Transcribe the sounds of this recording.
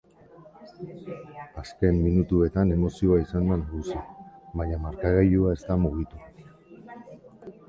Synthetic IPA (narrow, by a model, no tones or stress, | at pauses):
aske̞mːinut̪ue̞t̪ane̞mo̞sio̞aisand̪anaɣusiβaɲamaɾkaɣejuae̞st̪amuɣit̪u